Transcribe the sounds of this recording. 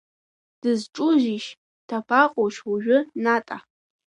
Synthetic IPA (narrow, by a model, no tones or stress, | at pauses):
d̥ɨzʈ͡ʂʼʊʒiʃ | tʰapʰaqʼoʃwuʒʷᶣʊnatʼa